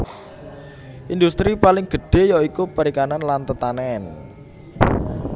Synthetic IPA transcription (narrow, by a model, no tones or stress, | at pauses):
ʔind̪ust̪ɾipalɪŋɡ̥ə̤ɖ̥e̤jɔikupəɾikananlant̪ət̪anɛn